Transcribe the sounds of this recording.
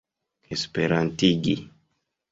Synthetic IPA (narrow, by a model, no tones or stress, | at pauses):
espeɾantiɡḭ